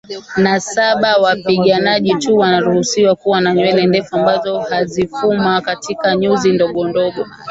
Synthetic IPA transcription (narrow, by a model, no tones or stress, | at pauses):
nasaɓawapiɠanaʄituwanaɾuhusiwakuwanaɲwɛlɛndɛfuambazɔhazifumakatʰikaɲuzindɔɠɔndɔɠɔ